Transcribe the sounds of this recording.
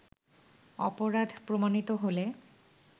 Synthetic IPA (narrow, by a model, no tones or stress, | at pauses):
ɔ̰poɾad̪ʱpɾomanit̪oɦole